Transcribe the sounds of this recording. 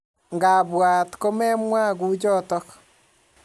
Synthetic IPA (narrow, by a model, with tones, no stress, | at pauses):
ŋɡaː˨βwaː˨tko˦mɛ˦mwa˦ɣu˦d͡ʒɔ˦tɔ˦k